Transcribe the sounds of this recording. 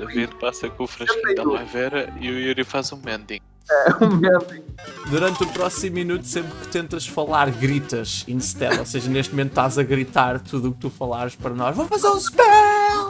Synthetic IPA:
ɐviðpasɐkõufɾɐʃk̪ɐlˠɐvɛɾɐiuiɾifazũmɛ̃nd̪ĩ | ɛũmɛ̃d̪ĩd̪uɾɐ̃nt̪upɾɔsimuːinut̪u̥sẽmpɾkɨ̥t̪ẽnt̪ɐʃfɐlˠaɾɣɾit̪ɐʃḭ̃ʃt̪ɛ̰lˠoseʒɐneʃt̪mumẽnt̪ʃt̪azɐɣɾit̪aɾt̪uðuk̚t̪ufɐlˠaɾʃpɐɾɐnɔʒvowfɐzeɾũʃpɛ

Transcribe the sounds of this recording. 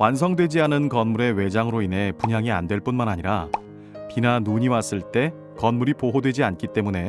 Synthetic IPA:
wans̬ʰʌŋdwe̞d͡ʑianɯnkʌnmuɾe̞we̞d͡ʑaŋɯɾoinɦe̞puɲaŋia̰ndwe̞ɭp͈unmanaɲiɾa | pinanuɲiwas͈ɯɭt͈e̞ | kʌnmuɾipoɦodwe̞d͡ʑiank͈it͈e̞mune̞

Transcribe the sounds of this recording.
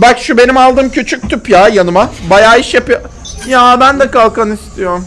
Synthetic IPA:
bacʃube̞nimalˠd̪ɯːmcʰyt͡ʃʰyc̚ʲt̪ʰypjaːjanɯmabajaːiʃjapɯjo | jaːbænd̪ɛkalˠkanist̪ʰijo̞ɾum

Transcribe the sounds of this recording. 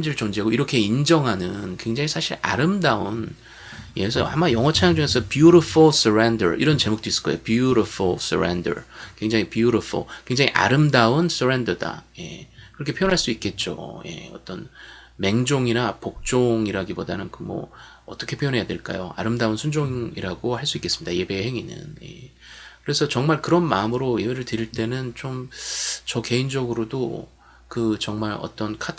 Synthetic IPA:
md͡ʑiɾɯɭt͡ɕʌŋd͡ʑiɦaɡoiɾʌkʰe̞ind͡ʑʌŋɦanɯnkwe̞ŋd͡ʑaŋisʰaɕʰiɾa̰ɾɯmdaun | jesʰʌ̰hamːajʌŋʌt͡ɕʰajaŋd͡ʑuŋe̞sʰʌpjuɾofʰuɭs͈ʰɯɾendʌ̰ɾʔiɾʌnt͡ɕe̞muk̚t͈ois͈ɯ̥kʌ̰ejopjuɾʌfʰuɭs͈ʰɯ̰ɾḛndʌ̰ɾkwe̞ŋd͡ʑaŋipjuɾofʰṵɭkwe̞ŋd͡ʑaŋiʔa̰ɾɯmdauns͈ʰɯɾe̞ndʌda̰je̞̰kɯɾʌkʰe̞pʰjojonɦaɭs͈uik͈e̞t̚t͡ɕ͈o̰je̞̰ʌ̰t͈ʌnme̞ŋd͡ʑoŋinapok̚t͡ɕ͈oŋiɾaɡibodanɯnkɯmʌ̰ | ʌt͈ʌkʰe̞pʰojonɦe̞jade̞̰ɭk͈a̰joa̰ɾɯmdaunsʰund͡ʑoŋiɾaɡohaɭs͈uik͈e̞s͈ɯmidaje̞be̞heŋinɯ̰njḛ | kɯɾe̞sʰʌt͡ɕʌŋmaɭkɯɾʌnmaɯmɯɾoje̞beɾɯɭtɯɾiɭt͈e̞nɯnt͡ɕ͈omt͡ɕʌke̞ind͡ʑʌɡɯɾodo | kɯt͡ɕʌŋmaɾʌ̰t͈ʌnkʰatʰ

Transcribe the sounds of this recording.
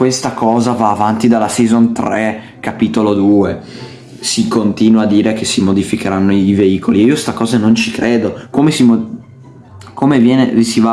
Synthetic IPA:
kwest̪akɔːzavaːvant̪id̪alːasizont̪ɾɛ | kapit̪olod̪uːe | sikont̪iːnwaːd̪ːiːɾekesimod̪ifikeɾanːoiiveiːkʰolieiːost̪akɔːzanont͡ʃikɾeːd̪okomesimo | komevjɛːnevisiva

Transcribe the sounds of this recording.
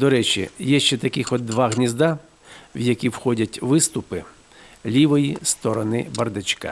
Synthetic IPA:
d̪ɔɾɛt͡ʃʲḭjɛʃt͡ʃɛt̪ɐkɪxɔd̪ːʋɑɦnʲizd̪a | wjɐkʲiwxɔdʲɐtʲʋɪst̪ʊpɪ | lʲiʋɔjist̪ɔɾɔnɪbɐrd̪ɪt͡ʃʲka̰

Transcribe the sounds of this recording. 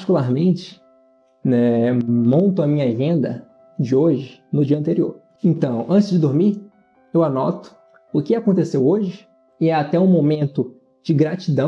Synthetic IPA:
pat͡ʃikulaɾmẽt͡ʃɪ̥ | nɛmõnt̪ʊɐmĩɲɐʒẽnd̪ɐ̰ | d͡ʒɪoʒɪnʊd͡ʒiɐ̃nt̪eɾio̰ɾ | ẽnt̪ɐ̃w̃ɐ̃t͡ʃɪzd͡ʒɪd̪oɾmiɾ | ewanɔt̪ʊ̥ | ʊkɪakõnt̪esewoʒɪ | ɪɛat̪ɛũmomẽnt̪ʊ | d͡ʒɪɡɾat͡ʃid̪ɐ̃

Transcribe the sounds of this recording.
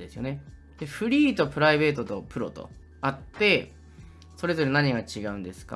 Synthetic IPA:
d̪e̞sɨjo̞̰ne̞ | d̪e̞ɸɯ̟ɾʲiːt̪o̞pɯ̟ɾaibe̞ːt̪o̞t̪o̞pɯ̟ɾo̞̰t̪o̞̰ | at̪ːe̞ | so̞ɾe̞zo̞ɾe̞naɲ̟iɡat͡ɕiɡaɯ̟̃nd̪e̞sɨ̥ka̰

